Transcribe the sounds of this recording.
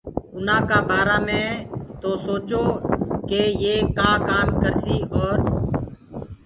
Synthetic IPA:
ʊnãːkaːbaːɾaːmẽːt̪oːsoːt͡ʃoːkeːjeːkaːkaːmkəɾsiːʔɔːɾ

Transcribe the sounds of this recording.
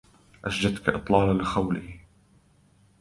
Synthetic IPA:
ʔaʃd͡ʒat̪kaʔɨt̪ˤlɑːlalɪxawlɪh

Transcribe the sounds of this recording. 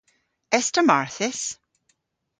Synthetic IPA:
ɛstʰəmaɹθɪs

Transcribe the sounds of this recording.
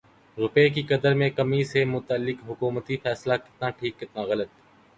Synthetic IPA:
ɾʊpeːk̬iːkəd̪əɾmẽːkəmiːseːmʊt̪əlːɪkɦʊkuːmət̪iːfʰɛːslaːkɪ̥t̪nãːʈʰiːkːɪt̪nãːɣələt̪

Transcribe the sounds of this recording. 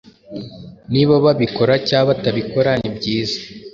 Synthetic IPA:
niβaβaβiko̞ɾacaːβataβiko̞ɾaɲibɟiːzḁ

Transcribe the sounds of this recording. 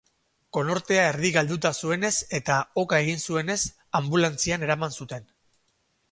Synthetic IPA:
ko̞no̞ɾt̪e̞ae̞ɾðiɣald̪ut̪asue̞ne̞se̞t̪ao̞kae̞ɣ̞insue̞ne̞s | ambulant͡siane̞ɾamansut̪e̞n

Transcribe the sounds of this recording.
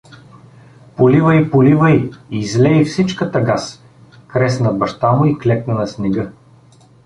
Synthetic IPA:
polivəipolivəiiːzlɛifsit͡ʃkət̪əɡas | kɾɛsnɐbɐʃt̪amʊiklɛknənɐsnɛɡɤ

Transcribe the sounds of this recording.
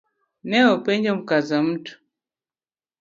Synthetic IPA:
nɛɔpɛɲd͡ʒam̩kazam̩tu̥

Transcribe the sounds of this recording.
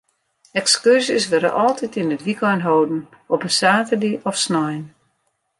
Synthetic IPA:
ɛkskyrsɪsʋɛɾə̰ʔɔlˠtʰitinətʋikɔjnɦowdn̩ | ɔpənsaːtədiʔɔfsnɔjn

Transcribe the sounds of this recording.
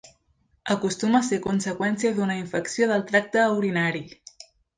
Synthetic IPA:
əkust̪uməsekunsəkwɛnsiəðunəiɱfəksioðəlˠt̪ɾak̚t̪əːuɾinaɾi

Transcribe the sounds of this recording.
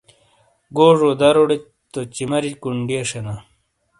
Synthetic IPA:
ɡoːʐoːd̪ɐɾoɽe | t̪ot͡ɕimɐɾikuɳɖieʂena

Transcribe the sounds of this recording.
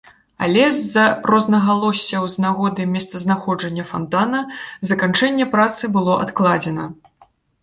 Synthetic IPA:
a̰lʲɛzːɐrɔznɐɣalˠɔsʲːɐwznaɣɔd̪ɨmʲɛst̪sɐznaxɔd͡ʐɐnʲːɐfant̪anɐzɐkant͡ʂɛnʲːɛpɾat̪sɨbɨlˠɔʔa̰t̪klˠad͡zʲɛnɐ

